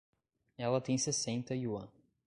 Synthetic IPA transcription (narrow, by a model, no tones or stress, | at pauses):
ɛlɐt̪ẽj̃sesẽnt̪ɐiũɐ̃